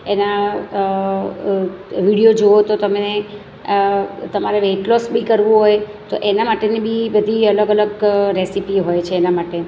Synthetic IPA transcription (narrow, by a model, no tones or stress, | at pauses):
ena | ʋiɽijod͡ʒoot̪ot̪əme | t̪əmaɾeʋeʈlɔsbikəɾʋũɦojt̪oʔenamaʈenibibəd̪ʱiələɡələɡɾesipiɦojt͡ʃʰeːnamaʈe